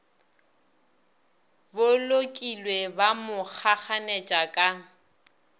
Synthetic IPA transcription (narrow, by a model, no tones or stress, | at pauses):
bʊlokʼilwebamʊk͡xʰak͡xʰanet͡ʃʼakʼa